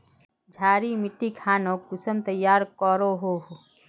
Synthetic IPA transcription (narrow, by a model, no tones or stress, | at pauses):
d͡ʒʱaːɾimɪʈːikʰaːnokusəmt̪əjːaːɾkɔɾoɦoɦo